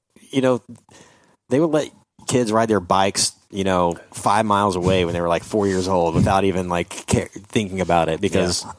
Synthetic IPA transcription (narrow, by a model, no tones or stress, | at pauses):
jɨnoʊ | ðeɪwədˡlɛt̚ | kʰɪdzɹaɪt̪̚ðə˞baɪks | jɨñoʊfaɪvmaɪlˠzəweɪw̃nðeɪə˞laɪkfɔɹjɪɹzoʊlˠd̚wəθaʊɾivɨ̃nlaɪkʰɛθɪ̃ŋkɪ̃ŋɨbaʊɾɪt̚b̥ɨkʰʌz̥